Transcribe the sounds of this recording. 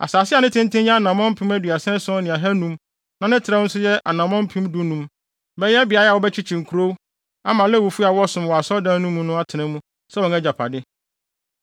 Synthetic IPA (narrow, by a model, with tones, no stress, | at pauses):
a̰˨saː˨sɪ˦a˨nɪ̃˦tʰɪ̃˦n˦tʰɪ̃˦jɛ˦a˦nã˨mɔ̃˦m̩˦pʰĩ˦mæ˦dɥa˨sɛ̃˦sɔ̃˦nɪ̃˨a˨ɦɛ˦nũ˦m | nã˨˦nɪ̃˦tʰɪ˨ɾɛ˦n̩˦sʊ˦jɛ˦ʔa˨nã˨mɔ̃˦m̩˦pʰĩ˦mdu˦nũ˨˦m | bɛ˦jɛ˦bɪ˨a˨˦ja˨wɔ˨˦bɛ˦t͡ɕʰɪ˦t͡ɕʰĩ˨ŋ̩˨kʰu˨ɾo˦ | a˦mã˨lɛ˦˨wo˨fu˦a˨wɔ˦sʊ̃˨m˨wɔ˨a˨sɔ˦dã˦nũ˦mːũ˦nʊ̃˦a˦tʰɪ˨nɪ̃˦mũ˦ | sɛ˦wɔ̃˨nɛ˦d͡ʑa˨pʰa̰˨dɪ˦